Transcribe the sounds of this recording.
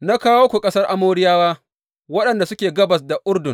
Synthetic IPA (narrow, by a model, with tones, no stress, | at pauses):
na˦kaː˦woː˦kʷu˨kʼɐ˦sɐ˦rʔa˦moː˦ɽɪ˦jaː˦waː˦ | wɐ˦ɗɐ˨nda˨sʊ˦kʲeː˨ɡɐ˦bɐ˨s̬da˨ʔʊ˦rdʊ˨ŋ